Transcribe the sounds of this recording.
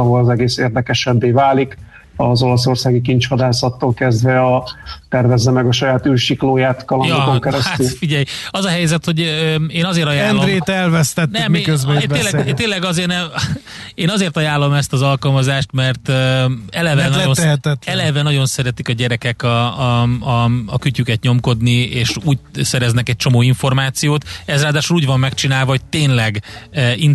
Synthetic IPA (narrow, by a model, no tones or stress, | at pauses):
ɒɦo̞lɒzɛɡeːseːrd̪ɛkɛʃɛbːeːvaːlik | ɒzo̞lɔso̞rsaːɡikiɲt͡ʃhɒd̪aːsɒt̪ːoːlkɛzd̪vɛɒt̪ɛrvɛzːɛmɛɡɒʃɒjaːt̪ylʃikloːjaːt̪kɒljɒokɛɾɛsat̪yfiɟɛjɒzɒɦɛjzɛt̪ho̞ɟøeːnɒzeːrɾt̪ɒjaːɛlnd̪ɾeːt̪ɛlvɛst̪ɛtnɛmmikøzbɛeːlːɛt̪eːlːɛɡɒzeːnɛ | eːnɒzeːrt̪ɒjaːlːo̞mɛst̪ɒzɒlkɒlmɒzaːʃt̪mɛrt̪øɛlɛvɛnont̪ɛɦɛt̪ɛt̪ɛlɛvɛnɒɟo̞nsɛɾɛt̪ikɒɟɛɾɛkɛkɒ | kycykɛt̪ɲo̞mko̞d̪nieːʃuːɟsɛɾɛznɛkɛc̚t͡ʃo̞moːiɱfo̞rmaːt̪sijoːt̪ɛzraːd̪aːʃuluːɟvɒmːɛkt͡ʃinaːlvɒɦo̞c̚t̪eːnlɛɡin